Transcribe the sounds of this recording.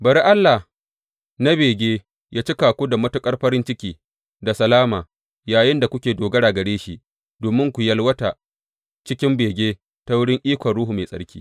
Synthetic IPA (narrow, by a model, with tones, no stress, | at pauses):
bɐ˨ɾi˦ʔa˦lːa˨h | na˦beː˨ɡʲeː˦ | jʔaː˦t͡ʃi˦kaː˨kʷoː˦da˨mɐ˦tʊ˦kʼɐ˦rɸɐ˦ɾɪ˦nt͡ʃɪ˦kʲiː˦ | da˨sɐ˨laː˦maː˨ | jaː˨jɪ˦nda˨kʷʊ˦kʲeː˨doː˨ɡɐ˦ɽaː˨ɡɐ˨ɽeː˦ʃi˦ʔ | doː˨mɪ˦ŋkʷu˨jɐ˦lwɐ˦ta˨ | t͡ʃɪ˦kʲɪ˦mbeː˨ɡʲeː˦ | ta˦wʊ˦ɽɪ˦ŋʔiː˦kʷɐ˨nɽuː˦ɦu˨meː˨sʼɐ̰˦ɽkʲiː˦